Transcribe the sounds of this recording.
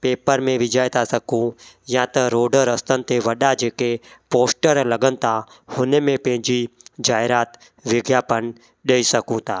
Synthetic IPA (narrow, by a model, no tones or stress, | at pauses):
peːpəɾmẽʋɪd͡ʒəjt̪ʰasɐkũ | jãt̪ɐɾoːɖəɾəst̪ənɪ̆t̪ʰeʋɐɗad͡ʒeːkepoːsʈəɾlɐɡənɪ̆t̪ʰa | hʊnmẽpɐ̃ɦɪ̃ɲd͡ʒid͡ʒaːɪɾaːt̪ | ʋɪɡjaːpən | ɗeːisɐkũt̪ʰaː